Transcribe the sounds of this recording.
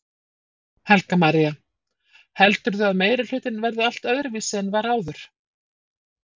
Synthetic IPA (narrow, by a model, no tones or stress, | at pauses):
hɛlkamaɾija | hɛlt̪ʏɾðʏaðmeːjɾɪl̥ʏːt̪ɪnvɛɾðʏal̥t̪œðɾɪviːsɪɛnvaɾaːwðʏɾ̥